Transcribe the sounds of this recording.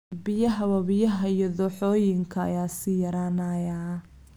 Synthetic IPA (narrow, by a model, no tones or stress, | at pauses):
bɪjɐɦɐwɐβɪjɐɦɐijɔðɔːħɔːjɪŋkʰɐɐ̰jaːsɪjɐɾaːnaːjaː